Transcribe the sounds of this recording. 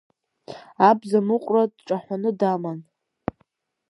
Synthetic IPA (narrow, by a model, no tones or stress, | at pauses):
abzamɨqʷʼradʈ͡ʂʼaħᶣʷanɨdaman